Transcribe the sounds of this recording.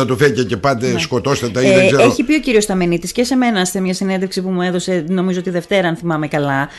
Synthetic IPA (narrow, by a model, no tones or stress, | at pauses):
ɐt̪ufececepɐd̪esko̞t̪o̞st̪et̪ɐiðeseeçipio̞ciɾio̞st̪ɐme̞nit̪isce̞se̞me̞nɐst̪emɲɐsinend̪eksipumue̞ðo̞se̞no̞mizoo̞t̪iðe̞ft̪e̞ɾɐnθimɐme̞kɐlɐ